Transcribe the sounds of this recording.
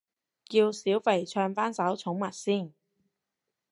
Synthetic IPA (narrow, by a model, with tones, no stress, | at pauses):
kiː˧wsiː˨˥wfe˨˩jt͡ʃʰœː˧ŋfaː˥nsɐ˨˥wt͡sʰʊ˨˥ŋmɐ˨t̚siː˥˩n